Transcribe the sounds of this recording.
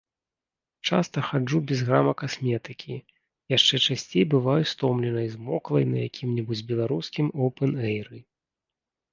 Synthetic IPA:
t͡ʂast̪ɐxad͡ʐubʲɛzɣɾamɐkasmʲɛt̪ɨkʲʰi | jaʂt͡ʂɛt͡ʂasʲt͡sʲejbɨvajust̪ɔmlʲɛnɐjzmɔklˠɐjnɐ̰jakʲʰimnʲibud͡zʲbʲɛlˠaɾuskʲimɔwpɛnɛjɾɨ

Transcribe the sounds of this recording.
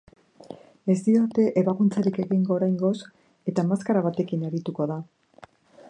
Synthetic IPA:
e̞st̪iɾat̪e̞ʔe̞βakunt͡saɾike̞ɣiŋɡo̞ːɾajŋɡo̞s | e̞t̪amaskaɾaβ̞at̪e̞kinaɾit̪uko̞ða

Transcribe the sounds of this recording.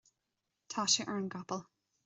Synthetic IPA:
tʰaʃəʔə˞nɡɑpəlˠ

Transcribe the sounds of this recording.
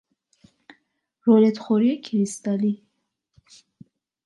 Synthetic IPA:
ɾɔlet̪χɔɾiekʰiɾist̪ali

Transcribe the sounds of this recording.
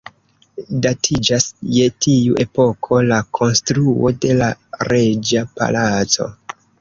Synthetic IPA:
datʰid͡ʒasje̞tiuʔe̞po̞kʰo̞lakʰo̞nstɾuo̞de̞laɾe̞d͡ʒapa̰lat͡so̞̰

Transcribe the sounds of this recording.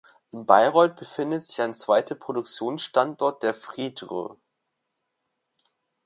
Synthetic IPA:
ʔɪnba̰ɪʁɔʏt̚b̥əfɪndətz̥ɪçaɪnt͡sv̥aɪtʰəpʁ̥odʊk̚t͡sjoːnsʃtantʔɔɐt̚d̥eːɐfʁ̥iːdʁə̰

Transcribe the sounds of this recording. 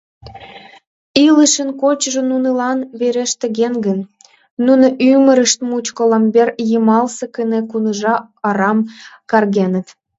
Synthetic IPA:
iləʃənkot͡ɕʒonunəlɑnβeɾeʃt̪ə̆ɣenɡənː | unoʔymə̆ɾəʃt̪̚mut͡ɕkələmberjəmɑlsekənekunəʒɑ | ɑɾɑmkɑrɣenə̆t̪

